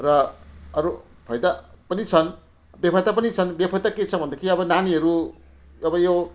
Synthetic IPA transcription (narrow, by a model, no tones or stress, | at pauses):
ɾʌʌɾu | pʰʌjd̪apʌnit͡sʰʌn | bjepʰʌjt̪apʌnit͡sʰʌnbjepʰʌjt̪aket͡sʰʌbʱʌnd̪ʌkʰiʌbʌnaniɦʌɾu | ʌbʌjo